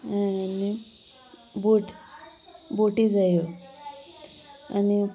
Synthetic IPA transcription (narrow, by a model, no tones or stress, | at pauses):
ɦãjani | buʈ | boʈid͡zajo | a̰ni